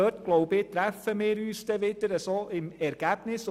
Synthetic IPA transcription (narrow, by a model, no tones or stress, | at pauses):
œtɡ̥loʊbɪt̪ɾæfəmɪːɾyːsd̥ɛʋɪdəɾəsoɪmɛɾɡ̥æb̥nɪs